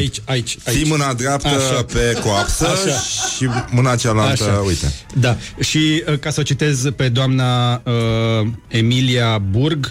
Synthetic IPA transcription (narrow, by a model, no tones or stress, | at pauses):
ait͡ʃʲait͡ʃʲaiimɨnad̪ɾapt̪əʃape̞koapsəʃaʃimɨnat͡ʃalalt̪əaujt̪e̞̰ | d̪a | ʃiəkasəot͡ʃit̪e̞zpe̞d̪oamnaə | e̞miliaburɡ